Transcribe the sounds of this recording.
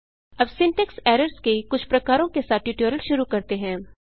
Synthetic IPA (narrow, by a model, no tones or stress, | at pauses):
ɐbsɪ̃ɳʈɛksɛːɾəɾskekʊt͡ʃʰpɾɐkaːɾõkesaːt̪̚ʰʈjuːʈjoːɾəlʃʊɾukɐɾt̪eɦɛ̃ː